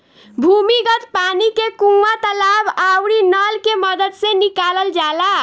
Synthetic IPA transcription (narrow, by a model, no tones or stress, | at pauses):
bʱumiɡət̪panikekũat̪əlabawɽinəlkeməd̪əd̪sẽnikaləld͡ʒala